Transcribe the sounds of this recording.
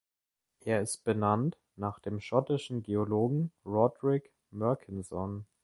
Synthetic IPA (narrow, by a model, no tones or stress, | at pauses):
ʔeːɐɪst̚b̥ənant | naːχd̥eːmʃɔtɪʃn̩ɡeːoloːɡŋ̩ʁɔdʁɪk | mœɐkʰɪnzɔn